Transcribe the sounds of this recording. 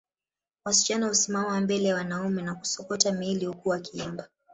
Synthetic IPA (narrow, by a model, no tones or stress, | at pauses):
wasi̥t͡ʃanahusimamawambɛlɛjawanaumɛnaku̥sɔkɔtamilihukuakiɛmba